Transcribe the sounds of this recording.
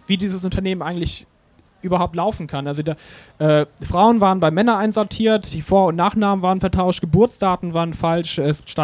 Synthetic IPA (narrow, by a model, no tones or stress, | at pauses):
viːdiːzəsʊntʰɐneːmənʔaɪɡŋ̩tlɪç | ʔyːbɐɦaʊp̚tlaʊfn̩kʰanʔalzodaːʔɛːfʁ̥aʊənvaːʁənbaɪmɛnɐnʔaɪnzɔɐtʰiːɐtd̥iːfoːɐʊnnaːχnaːmənvaːʁənfɛɐtʰaʊʃtɡ̥əbʊɐt͡sd̥aːtn̩vaːʁənfalʃʔɛsʃta